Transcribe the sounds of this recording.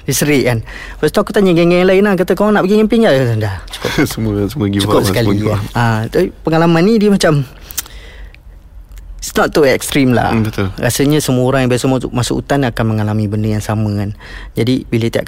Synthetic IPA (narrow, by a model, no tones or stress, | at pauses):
disəɾɪʔkan | bəst̪uakut̪aɲəɡɛŋɛŋanlaɪnak̬at̪əkawaŋnaʔpəɡiŋɛnpiŋɡaʔndaht͡ʃu̥kʊpsəmsəməɡiukʊpəkalaasaipəŋalamanːidiəmat͡ʃam | isnɔt̪ːuɛkst̪ɾimla̰bət̪olɾa̰səɲəsəmuoɾaŋjaŋbiasəmamasṵʔṵt̪anakanməŋalamibəndəjaŋsamə̃kan | d͡ʒadibilət̪ia̰ʔ